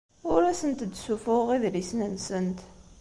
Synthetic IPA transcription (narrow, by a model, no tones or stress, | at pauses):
ʊɾæsənt̪d̪sufʊʁiðlisnənsənt̪